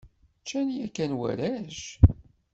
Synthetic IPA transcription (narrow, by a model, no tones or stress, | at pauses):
t͡ʃːænjækːænwæ̰ɾæʃ